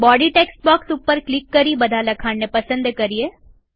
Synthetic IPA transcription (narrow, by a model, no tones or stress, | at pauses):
bɔːɖiʈeːks̚bɔːksupːəɾklɪkːɐɾibɐd̪ʱalɐkʰaːnnːepɐsə̃nd̪kɐɾije